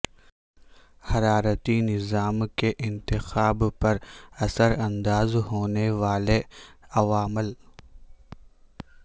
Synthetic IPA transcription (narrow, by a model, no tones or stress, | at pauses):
hɐɾaːɾət̪inɪzaːmkeʔɪ̃nt̪ɪxaːbpɐɾɐsəɾɐ̃nd̪aːzɦoːneʋaːleɐʋaːmɪl